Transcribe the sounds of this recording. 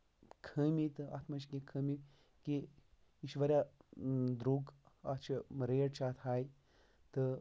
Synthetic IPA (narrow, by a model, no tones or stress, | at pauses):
kʰəːmit̪ɨɐ̰t̪ʰmɐt͡ʃʰkẽkʰəmi | ki | iʃʋɐɾʲja | d̪ɾuɡɐt͡ʃʰimɾeːɽt͡ʃʰat̪ʰhaːj | t̪ɨ